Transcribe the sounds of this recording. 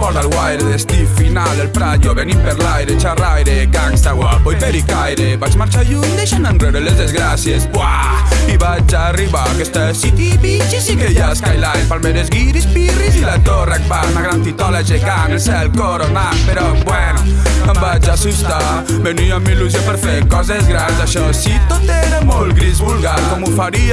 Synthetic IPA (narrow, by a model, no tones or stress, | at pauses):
pɔɾðalɣwajɾeðest̪ifinalelpɾaðuaβenipeɾlajɾet͡ʃarajɾekakst̪aɣwapojpeɾikajɾebat͡ʃmaɾt͡ʃaʎund̪eʃanandreɾelezðezɣɾasjesbwaiβat͡ʃariβakest̪asit̪ipit͡ʃisikejaskajlaɾemfalmeɾezɣiɾispirizilat̪orak̚baznaɣɾant̪it̪ɔlaʒeɣanelsɛlkoɾonapeɾɔbwɛnuambat͡ʃasust̪a | beniamiluz̬apeɾθekɔzezɣɾanzaʃɔsit̪ot̪ɛɾamolɡɾizβulɣakɔmufaɾi